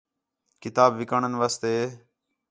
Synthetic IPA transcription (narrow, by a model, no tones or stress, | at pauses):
kɪt̪aːbʋɪkaɳənʋaːst̪eː